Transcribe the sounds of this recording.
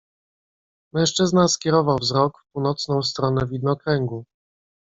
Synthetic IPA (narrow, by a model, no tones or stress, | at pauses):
mɛ̃w̃ʂt͡ʂɘznaskʲɛɾɔvawvzɾɔkfpuwnɔt̪snɔ̃w̃st̪ɾɔnɛvʲid̪̚nɔkɾɛŋɡu